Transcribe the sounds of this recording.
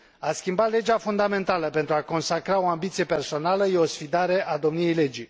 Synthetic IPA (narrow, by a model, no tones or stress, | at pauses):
askʲimbat̪le̞d͡ʒafund̪ame̞nt̪aləpe̞nt̪ɾuako̞nsakɾao̞ambit̪sijepe̞rso̞naləjeo̞sfid̪aɾe̞ʔad̪o̞mnije̞jle̞d͡ʒi